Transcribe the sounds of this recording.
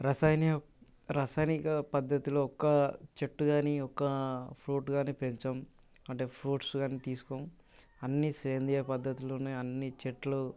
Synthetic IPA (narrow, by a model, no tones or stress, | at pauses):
ɾaːsaːjn | ɾaːsaːjnikɐpɐd̪ʱːɐt̪iloːɔkːɐt͡ʃeʈːuɡaːniɔkːɐpʰɾuːʈɡaːnipeɲt͡ʃɐmɐɳʈe̞ːpʰɾuːʈsɡaːnit̪iːsu̥koːm | ɐnːisɾeːnd̪ijɐpɐd̪ːɐt̪iloneɐnːit͡ʃeʈlu